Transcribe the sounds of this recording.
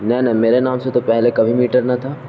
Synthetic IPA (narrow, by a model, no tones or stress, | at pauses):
nɛnɛmeːɾenaːmset̪opɛɦlekɐbʱimiːʈəɾnɐt̪ʰaː